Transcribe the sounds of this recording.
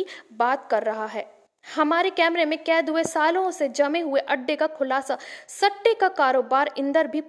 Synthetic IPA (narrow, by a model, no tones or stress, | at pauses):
baːt̪kɐɾːɐɦaɦɛː | hɐmaːɾekɛːmɾemẽkɛːd̪ɦʊesaːlõsed͡ʒɐmẽɦʊeʔɐɖːekakʰʊlaːsasɐʈːekakaːɾoːbaːɾɪ̃nd̪əɾbʱip